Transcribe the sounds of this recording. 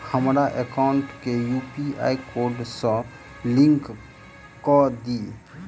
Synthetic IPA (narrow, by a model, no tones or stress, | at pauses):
həmɾaʔekaʊɳʈkejuːpia̰ːikoːɖsə̃ | lɪ̃ŋk | kɔd̪iː